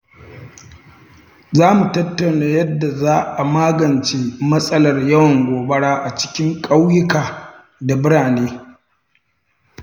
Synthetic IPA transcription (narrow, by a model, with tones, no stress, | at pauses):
zaː˦mu˨tɐ˦tːɐ˨wnaː˦jɐ˦dːa˨zaː˦ʔa˨maː˦ɡɐ˨nt͡ʃeː˦mɐ˦sʼɐ˦lɐ˨rjɐ˦wɐ˨ŋɡʷoː˨bɐ˦ɽaː˦ʔa˨t͡ʃɪ̥˦kʲɪ˦ŋkʼa˦wjɪ˦kaː˨ | da˨bɪ˦ɽaː˨neː˦